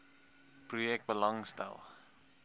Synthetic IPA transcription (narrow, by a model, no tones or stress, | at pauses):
prujɛk̚t̚bəlɐŋstɛ̰lˠ